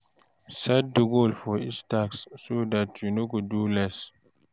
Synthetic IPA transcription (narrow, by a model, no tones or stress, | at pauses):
sad̚dəɡolfɔistaksːod̪atjunoɡudulɛs